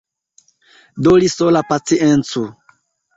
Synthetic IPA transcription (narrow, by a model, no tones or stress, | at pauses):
dolisolapat͡siʔent͡su